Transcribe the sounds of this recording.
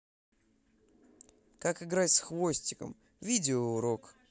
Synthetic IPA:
kakɨɡɾatʲsxvo̞sʲtʲɪkə̰m | vʲidʲɪoʊɾo̞k

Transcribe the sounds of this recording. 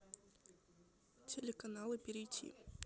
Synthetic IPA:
tʲʰelʲekɐnalˠɨpʲeɾʲɪjtʲʰḭ

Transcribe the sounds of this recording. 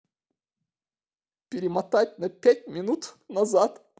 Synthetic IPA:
pʲɪɾʲɪmɐt̪at̚ʲnɐpʲæt̚ʲmʲɪnut̪nɐzat̪

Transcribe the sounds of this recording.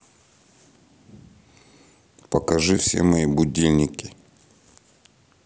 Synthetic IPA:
pəkɐʐɨfsʲḛmɐjibʊdʲilʲnʲɪkʲɪ

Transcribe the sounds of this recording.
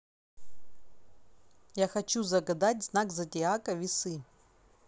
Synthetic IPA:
jaxɐt͡ɕuzɐɡɐd̪atʲznakzɐtʲɪakɐvʲɪsɨ

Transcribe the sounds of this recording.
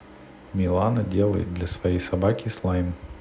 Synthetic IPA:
mʲɪlˠanədʲe̞lˠəjɪ̰t̪̚d̪lʲɐsvɐjejsɐbakʲɪslˠajm

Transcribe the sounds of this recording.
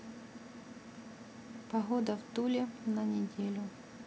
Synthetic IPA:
pɐɣod̪əvt̪ulʲɪnɐnʲɪdʲelʲʊ

